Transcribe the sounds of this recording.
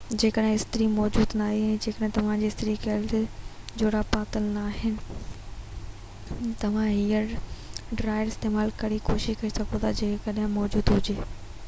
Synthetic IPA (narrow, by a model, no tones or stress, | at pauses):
d͡ʑeːkəɗɦɪ̃ɪst̪ɪɾimɔːd͡ʑuːd̪naːɦeɛ̃ːd͡ʑeːkəɗɦɪ̃t̪ɐʋ̤ãd͡ʑeːɪst̪ɾikɛːlt̪e | d͡ʑoːɽapaːt̪əlnaːɦɪnɪ̆ | t̪ɐʋ̤ãɦiːəɾɖɾaːɪəɾɪst̪eːmaːlkɐɽikoːʃɪʃkɐisɐɡõt̪ʰad͡ʑeːkɐɗɦɪ̃mɔːd͡ʑuːd̪ɦʊd͡ʑeː